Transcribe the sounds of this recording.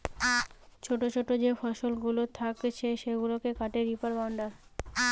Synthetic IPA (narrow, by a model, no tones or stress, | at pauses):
t͡ɕʰoʈot͡ɕʰoʈod͡ʑefɔʃolɡulot̪ʰakt͡ɕʰeʃeɡulokekaʈeɾipaɾbawɳɖaɾ